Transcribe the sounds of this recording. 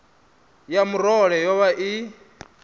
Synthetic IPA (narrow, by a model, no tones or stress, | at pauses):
jamuɾɔɺɛjɔβaʔi